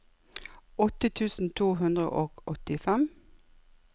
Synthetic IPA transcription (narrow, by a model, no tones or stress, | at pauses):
ɔt̪ət̪ʰʉːsn̩t̪ʰuːhʉnd̪ʁə̰ʔoːɡɔt̪ɪfɛm